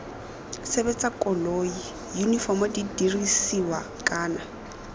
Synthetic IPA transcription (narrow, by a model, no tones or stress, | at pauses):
sebet͡sʼakʼɔloːi | junifɔmɔdidirisiwakʼaːna